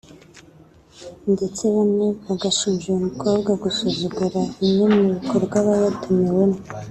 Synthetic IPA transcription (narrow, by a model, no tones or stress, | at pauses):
nɟe̞t͡seβamŋeβaɡaʃiːnʒijumukʰo̞ːbɡaɡusuzuɡuɾaiɲemuβukʰoɾbɡwaβaβatumewe̞mo